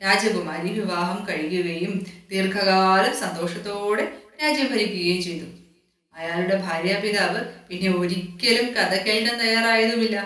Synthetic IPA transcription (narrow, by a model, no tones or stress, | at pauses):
ɾaːd͡ʑɐʋɨmɐɾiʋiʋaːɦɐmkɐɻijuɣɐjumt̪iːrkʰɐɣaːlumsɐnd̪o̞ːʂɐt̪ːoːɽeɾaːd͡ʑɐʋbʱɐɾikʲːuɣɐjumt͡ɕe̞jt̪u | ɐjaːluɽe̞bʱaːɾjɐpiðaːʋɨpinːeoɾikʲːɐlumkɐðɐkːeːɖɐnt̪ɐjːaːraːjɐðuʋilːɐ